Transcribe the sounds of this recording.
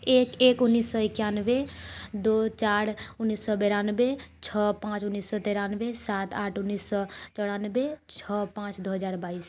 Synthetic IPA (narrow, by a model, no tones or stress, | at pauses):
eːkeːkʊnːiːsːɔɪkjanbed̪ot͡ʃaːɾʊnːisːɔbɛɾanbet͡ʃʰɔpãːt͡ʃʊnːiːsːɔt̪eɾanbesat̪aːʈʰʊnːiːsːɔt͡ʃɔɽanbet͡ʃʰɔpãːt͡ʃd̪oɦəd͡ʒaːɾbaːis